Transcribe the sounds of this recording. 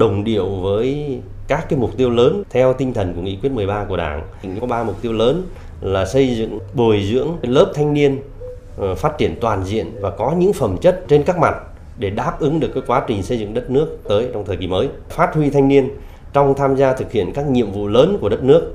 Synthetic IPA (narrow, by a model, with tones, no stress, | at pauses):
ɗə˨˩wŋ͡mɗi˧˩əwvəː˨˦j | kaː˦˥kːaː˨˦jmʊ˨˩k͡p̚t̪i˧əwləː˨˦nt̪ʰɛ˧wt̪ï˧ŋ̟t̪ʰə˨˩nku˧˩əŋḭ˧˨kwi˦˥ət̚mɨ˨˩əjɓaː˧ku˧˩əɗa̰ː˧˩n˨ŋ˧kɔ˨˦ɓaː˧mʊ˨˩k͡p̚t̪i˧əwləː˨˦n | laː˨˩sə˧jzɨ̰˧˨ŋɓu˨˩əjzɨ̰˧˥əŋləː˦˥p̚t̪ʰa˧jŋ̟ni˧ən | faː˦˥t̚t͡ɕi˧˩ənt̪waː˨˩nzḭ˧˨ənvaː˨˩kɔ˨˦ɲɨ̰˧˥ŋfə˨˩mt͡ɕə˦˥t̚t͡ɕe˧nkaː˦˥k̚ma˨˩t̚ | ɗe˧˩ɗaː˦˥p̚ʔɨ˨˦ŋɗɨ˨˩əkːaː˨˦kwaː˨˦t͡ɕï˨˩ŋ̟sə˧jzɨ̰˧˨ŋɗə˦˥t̚nɨ˦˥ək̚t̪əː˨˦jt͡ɕɔ˧wŋ͡mt̪ʰəː˨˩ki˧˩məː˨˦j | faː˦˥t̚hwi˧t̪ʰa˧jŋni˧ən | t͡ɕɔ˧wŋ͡mt̪ʰaː˧mzaː˧t̪ʰɨ˨˩k̚hḭ˧˨ənkaː˦˥k̚ɲḭ˧˨əmvṵ˧˨ləː˨˦nku˧˩əɗə˦˥t̚nɨ˦˥ək̚